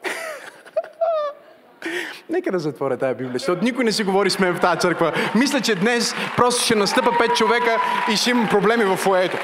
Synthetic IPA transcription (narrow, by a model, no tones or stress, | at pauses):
nɛkəd̪ɐzɐt̪vɔɾʲɐt̪ajəbiblʲiəʃt̪ɔt̪ʊnikʊjnɛsiɡovɔɾismɛft̪ajət̪sɤɾkvəmislʲɐt͡ʃɛd̪nɛspɾɔst̪o̥ʃɛnɐst̪ɤpəpɛt̪̚t͡ʃovɛkəiʃɛimɐmpɾoblɛmivɐfoɛt̪o